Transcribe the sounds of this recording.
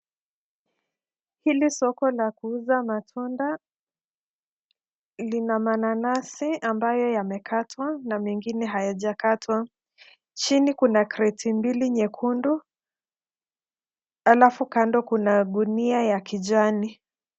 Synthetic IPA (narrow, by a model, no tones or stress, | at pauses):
hilisɔkɔlakuuzamatʰunda | linamananasiambajɔjamɛkatʰwanamɛŋɡinɛɦajaʄakatʰwa | t͡ʃinikunakɾɛtʰimbiliɲɛkʰundu | alafukandɔkunaɗuniajakid͡ʒani